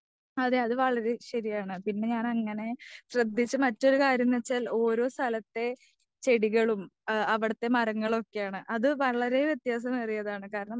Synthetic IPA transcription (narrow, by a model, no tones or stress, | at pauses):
ɐðeɐðɨʋɐɭɐɾe̞ɕɐɾijaːɳɨpinːe̞ɲaːnɐŋːɐne̞ɕrɐd̪ʱːit͡ɕːɨmɐtːo̞ɾukaːɾjɐmːet͡ɕːaːlo̞ːɾo̞ːst̪ʰɐlɐt̪ːe̞ | t͡ɕe̞ɽiɣɐɭumɐʋiɽɐt̪ːe̞mɐɾɐŋːɐɭo̞kːejaːɳɨʔɐðɨʋɐɭɐɾe̞ʋjet̪jaːs̬ɐmɐrijɐðaːɳɨkaːɾɐɳɐm